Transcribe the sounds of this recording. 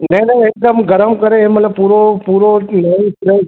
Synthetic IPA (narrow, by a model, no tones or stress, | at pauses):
neneed̪ɐmɡɐɾɐmkɐɾeeːmɐt̪lɐbpuɾopuɾonesɾe